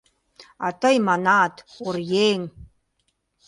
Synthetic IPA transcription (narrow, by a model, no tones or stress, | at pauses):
a̰t̪ʰajmanaːt̪ʰʊrjeːŋ